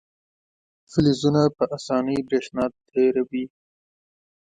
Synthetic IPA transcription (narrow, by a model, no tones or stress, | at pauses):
fɪlizunapəʔasɑːnəjbɾeʃnɑːt̪ʰːeɾawi